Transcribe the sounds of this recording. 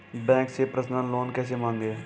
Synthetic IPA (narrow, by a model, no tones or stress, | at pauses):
bɛ̃ːŋksepɾəsnanloːnkɛːs̬emãːŋɡeː